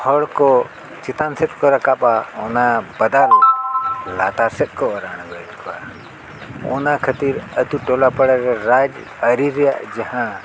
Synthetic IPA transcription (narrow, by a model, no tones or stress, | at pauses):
hʰɔɽkoː | t͡ʃɪt̪ansɪt̪̚koɾɐkaːɓaːoːnãbɐd̪aːl | laːt̪aːsɪt̪̚koːɾaːñɡeɗkʰɓa̰ː | oːnãːkʰət̪iːɾət̪uʈoːlaːpəɽəɾeɾaːd͡ʒ | əɾiɾja̰d͡ʒɐɦã